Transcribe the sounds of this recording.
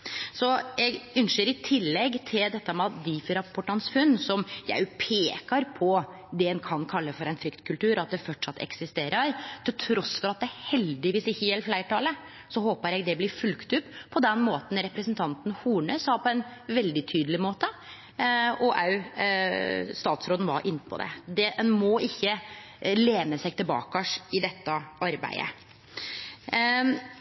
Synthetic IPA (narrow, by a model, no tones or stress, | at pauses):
sɔjɛɡʉnʃəɾɪt̪ʰɪlːɛɡt̪ʰɪld̪ɛt̪ːəmɛɑd̪iːfɾɑpʰɔʈɑnsfʉnːsɔmjæ̰ɪpʰeːkɑɾpʰɔ | d̪ɛɛnkʰɑnkʰɑlːəfɔɾɛɪnfɾʏkt̪kʰʉlt̪ʉːɾɑt̪̚d̪ɛfɔʈʂɑt̪ːɛ̰ksɪst̪eːɾʔəɾt̪ʰɪlt̪ʰɾɔsfɔɾɑt̪̚d̪ɛæhɛld̪ɪʋiːsɪçːəjɛlflæɪʈɑːlə | sɔhoːpəɾjɛɡd̪ɛblɪɾfʉlkt̪ʉpːʰɔd̪ɛnːmoːt̪n̩ɾɛpɾəsnt̪ʰɑnt̪n̩huːɳœːsɑpʰɔɛnʋɛld̪ɪt̪ʰyːd̪lɪmoːt̪ə | ɔʔɑ̰ʉ | st̪ɑːt̪sɾoːd̪n̩ʋɑ̰ɾʔɪnːpʰɔ̰d̪ɛ̰d̪ɛɛnmɔʔɪçːə | leːnəsæɪɡ̚t̪ʰɪlbɑ̰ːkɑʂɪd̪ɛt̪ːəɑɾbæ̰ɪə̰